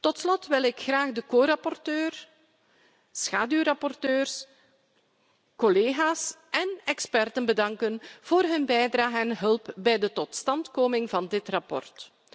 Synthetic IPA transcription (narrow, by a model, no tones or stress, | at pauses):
tɔtslɔtʋɪlˠɪkxraːɣdəkoːɾɑpɔrtøːr | sxaːdyrɑpɔrtøːrs | kɔleːɣaːsʔɛnɛkspɛrtənbədɑŋkənv̥oːrɦɵnbɛjdraːɣəɛnɦɵlˠpbɛjdətɔtstɑntkoːmɪŋvɑndɪtrɑpɔ̰rt